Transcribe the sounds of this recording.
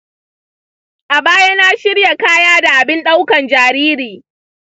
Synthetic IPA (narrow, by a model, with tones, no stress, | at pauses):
ʔa˨baː˦ja˦na˦ʃɪ˦ɽja˨kaː˦jaː˦da˨ʔa˨bɪ˦nɗa˦wkɐ˨nd͡ʒaː˨ɾiː˦ɾiː˨